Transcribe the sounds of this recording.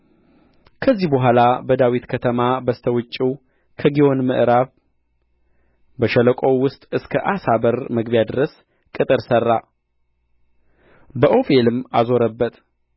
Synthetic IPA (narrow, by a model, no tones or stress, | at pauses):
kʰəzːihbəɦʷalabəd̪awit̪kʰət̪ʰəmabəst̪ʰəwɨt͡ʃʼːiw | kʰəɡiwo̞nmɨʔɨɾaβ | bəʃələkʼo̞wʊst̪ʼɨskʰəʔasabəɾməɡβjad̪ɨɾəs | kʼɨt̪ʼɨɾsərːa | bəʔo̞felɨmːazo̞ɾəbːət̪